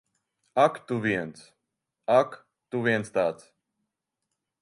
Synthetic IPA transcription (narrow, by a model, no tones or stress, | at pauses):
akt̪uviɛnt̪s | ak | t̪uviɛntst̪aːt̪s